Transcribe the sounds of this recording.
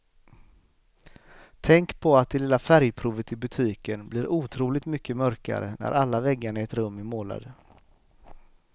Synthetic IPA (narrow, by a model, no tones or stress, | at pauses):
t̪ʰɛŋkpʰɔat̪̚d̪ɛlɪlafæɾjpʰɾuːvət̪ʰɪlbɵt̪ʰiːkənblɪːɾuːt̪ʰɾuːlɪɡ̚t̪mʏkːəmœɾka̰ɾə̰næ̰ɾʔalːavɛɡːaɳaɛt̪ɾɵmːæmoːla̰d̪ə